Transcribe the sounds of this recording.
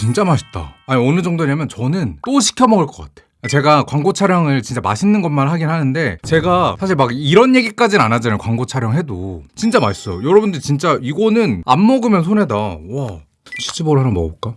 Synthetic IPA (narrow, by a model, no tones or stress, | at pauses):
t͡ɕint͡ɕ͈amaɕʰi̥p̚t͈a̰aɲiʌnɯd͡ʑʌŋdoiɲamjʌnt͡ɕʌnɯnt͈oɕʰi̥kʰjʌmʌɡɯɭk͈ʌk͈atʰeat͡ɕe̞ɡakwaŋɡot͡ɕʰaɾjʌŋɯɭt͡ɕint͡ɕ͈ama̰ɕʰinːɯnɡʌnmanhaɡinɦanɯnde̞t͡ɕe̞ɡasʰaɕ̬ʰiɭmaɡiɾʌnje̞ɡik͈ad͡ʑinnanad͡ʑanɯɭkwaŋɡot͡ɕʰaɾjʌŋɦe̞dot͡ɕint͡ɕ͈amaɕs͈ʌjojʌɾʌbundɯɾit͡ɕint͡ɕ͈aiɡʌnɯna̰mːʌɡɯmjʌnsʰonɦe̞dawa | ɕʰi̥t͡ɕʰiboɾɦanɯnmʌ̰ɡok͈a